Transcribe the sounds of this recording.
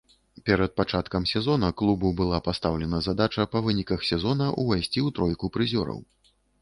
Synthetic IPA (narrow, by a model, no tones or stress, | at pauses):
pʲɛɾɐt̪̚pat͡ʂat̪kɐmsʲɛzɔnɐklˠububɨlˠapast̪awlʲɛnɐzad̪at͡ʂɐpɐvɨnʲikɐxsʲɛzɔnɐʔṵvajsʲt͡sʲiwt̪ɾɔjkupɾɨzʲɔɾɐ̰w